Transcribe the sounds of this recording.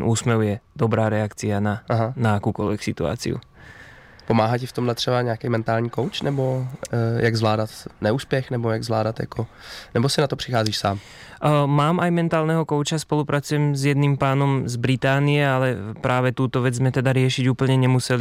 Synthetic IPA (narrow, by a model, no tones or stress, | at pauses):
ʔuːsmɛwjɛd̪ɔbɾaːɾɛakt͡sianaaɦanaakuːkɔlʋɛksit̪ṵa̰t͡sḭṵ | pomaːɦacɪft̪omɦlɛt̪r̥ɛbaɲɛakɛjmɛnt̪aːlɲiːkowt͡ʃnɛbojʔaɡzvlaːdat̪nɛuːspjɛxnɛbojaɡzvlaːdat̪ja̰konɛbosɪnat̪opr̥ɪxaːziːʃsaːm | maːmʔajmɛnt̪aːlnɛɦɔkɔʊt͡ʃaspɔlupɾat͡sujɛmzjɛd̪nimpaːnɔmzbɾit̪aːnijɛalɛpɾʔaːʋɛt̪uːt̪ɔʋɛd͡zzmɛt̪ɛd̪aɾɪɛʃiɟuːpl̩ɲɛɲɛmusɛli